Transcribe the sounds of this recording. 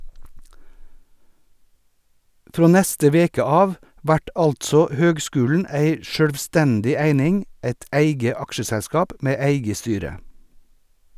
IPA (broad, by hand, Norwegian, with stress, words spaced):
ˈfɾoː ˈnæstə ˈʋeːkə ˈɑːʋ ˈʋæʈ ˈɑltsɔ ˈhøːɡˌskʉːln̩ ˈæɪ ʃœɽʋˈstɛndɪ ˈæɪnɪŋ ˈæɪt ˈæɪɡə ˈɑkʃəsɛˌskɑːp ˈmeː ˈæɪɡə ˈstyːɾə